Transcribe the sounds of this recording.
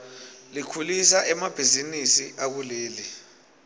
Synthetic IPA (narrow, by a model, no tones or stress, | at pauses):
likʰulisaʔɛmab̥ʱizinisiʔak̬uleːli